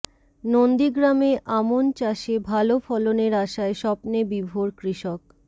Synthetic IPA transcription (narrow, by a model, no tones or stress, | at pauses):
nond̪iɡɾameʔamont͡ɕaʃebʱalofɔloneɾaʃaeʃɔpnebibʱoɾkɾiʃok̚